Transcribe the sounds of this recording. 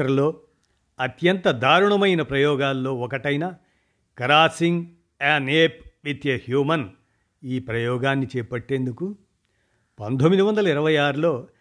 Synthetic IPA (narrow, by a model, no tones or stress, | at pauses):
ɐɾlo̞ː | ɐt̪jɐnt̪ɐd̪ʱaːɾuɳɐmɐjnɐpɾɐjɔːɡaːlːo̞ːɔkɐʈɐjnɐ | kɐɾaːsiŋɡ | aːneːpʋit̪jɐhjuːmɐn | iːpɾɐjɔːɡaːnːit͡ʃɛːpɐʈːe̞ːnd̪uku | pɐnt̪omːid̪iʋɐnd̪ɐlɐiɾɐʋɐjaːɾulo̞ː